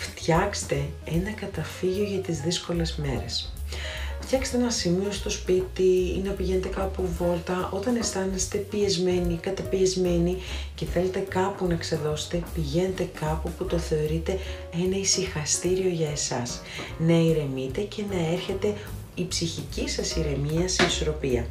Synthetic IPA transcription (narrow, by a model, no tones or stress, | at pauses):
ft̪çɐkst̪e̞ | enɐkɐt̪ɐfiʝo̞ʝɐt̪izðisko̞le̞zme̞̰ɾe̞̰s | ft̪çɐkst̪e̞enɐsimio̞st̪o̞spit̪iḭnɐpiʝe̞ne̞t̪e̞kɐpovo̞lt̪ɐo̞t̪ɐne̞st̪ɐnest̪e̞piezme̞nikɐt̪ɐpiezme̞nice̞θe̞le̞t̪e̞kɐpunɐekseðo̞se̥t̪e̞piʝe̞ne̞t̪e̞kɐpuput̪o̞θe̞o̞ɾit̪e̞ | enɐisixɐst̪iɾio̞ʝɐe̞sɐs | nɐiɾe̞mit̪e̞ce̞nɐe̞ɾçe̞t̪e̞ | ipsiçicisɐsiɾe̞miɐseiso̞ɾo̞piɐ̰